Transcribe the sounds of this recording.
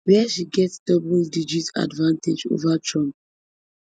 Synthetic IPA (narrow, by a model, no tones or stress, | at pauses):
wɛʃiɡɛtd̥ɔbɔldid͡ʒita̰dvãnted͡ʒo̰vatʰɹɔ̃mp̚